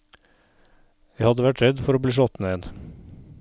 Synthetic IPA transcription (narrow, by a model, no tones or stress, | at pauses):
jæɪhɑd̪əʋæʈɾɛd̪fɔɾoːbliːʃ̬ɔt̪neːd̪